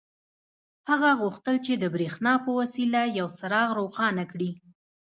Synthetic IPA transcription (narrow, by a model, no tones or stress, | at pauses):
haɣaɣuxt̪əlt͡ʃed̪əbɾexnɑpəwasilajawsaɾɑɣɾoxɑnakɽi